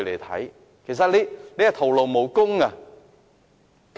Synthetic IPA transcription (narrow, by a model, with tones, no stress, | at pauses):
jlḛ˨˩t̪ʰa̰˨˩j | kʰi˨˩˨saː˧˥li˦˥le˧˦a˨˩t̪ʰo˨˩wlo˨˩wmo˨˩˦wkʊ˧ŋa˨˩ | k